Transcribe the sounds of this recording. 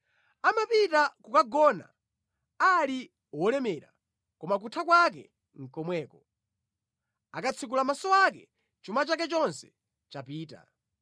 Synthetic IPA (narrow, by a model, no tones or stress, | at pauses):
amapitakukaɡɔna̰ | ali | wɔlɛmɛːɾa̰ | kɔmak̬utʰakwak̬ɛ̰ | ŋ̩kɔmwɛːkɔ | akat͡sʰikulamasɔwakɛ | t͡ʃumat͡ʃak̬ɛt͡ʃɔnsɛ̥ | t͡ʃapiːta̰